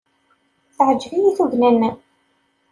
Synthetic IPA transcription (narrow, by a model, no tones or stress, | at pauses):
θʕəd͡ʒːvijiθuʝnænːæ